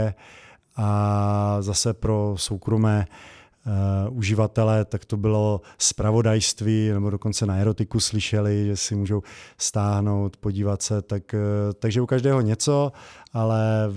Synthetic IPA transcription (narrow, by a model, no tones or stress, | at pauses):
ʔa | zasɛpɾo̞so̞wkɾo̞mɛː | uʒɪvat̪ɛlɛt̪akt̪o̞bɪlo̞spɾavo̞dajst̪viːnɛbo̞doko̞nt͡sɛnaɛɾot̪ɪkuslɪʃɛlɪʒɛsɪmuːʒowst̪aːɦno̞wt̪po̞ɟiːvat̪sɛt̪akt̪aɡʒɛukaʒdɛːɦo̞ɲɛt͡so̞ʔalɛ